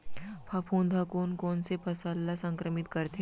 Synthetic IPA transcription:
pʰapʰũːnd̪ʱakoːnkɔːnsepʰɐsəlːasɐ̃ŋkɾəmɪt̪kɐɾt̪e

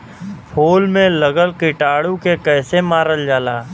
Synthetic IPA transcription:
pʰoːlmẽləɡəlkɪʈaːɽukekɛːsemaːɾəld͡ʒaːlaː

